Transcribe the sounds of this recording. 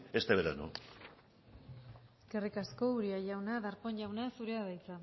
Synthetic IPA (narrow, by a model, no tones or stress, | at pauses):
est̪eβeɾa̰no̰ | eske̞rikasko̞uɾiaʝawnaðaɾponʝawnasuɾeaβajt͡s̪a